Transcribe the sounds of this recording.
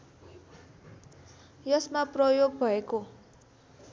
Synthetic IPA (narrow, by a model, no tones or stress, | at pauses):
jʌsmaprʌjoɡ̚bʱʌeko